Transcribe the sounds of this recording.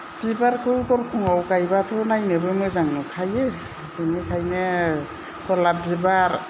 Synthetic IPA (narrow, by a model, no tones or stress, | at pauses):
b̥ibaɾkʰɯwtɔɾkʰuŋawkajbatʰɔnajnɯbɯmɯzaŋnɔkʰaje | kɯnikʰajne | kʰɔlabibaɾ